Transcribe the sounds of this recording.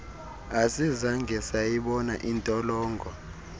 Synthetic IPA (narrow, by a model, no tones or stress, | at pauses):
asizaŋɡʱɛsajiɓɔna̰ʔintʼɔlɔːŋɡʱɔ